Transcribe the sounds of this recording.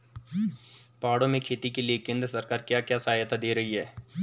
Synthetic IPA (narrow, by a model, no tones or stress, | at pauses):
paːɽõmẽkʰeːt̪ikeliekɪ̃nd̪sɐɾkaːɾkjaːkjaːsɐɦaːjət̪ad̪eːɾɐɦiɦɛː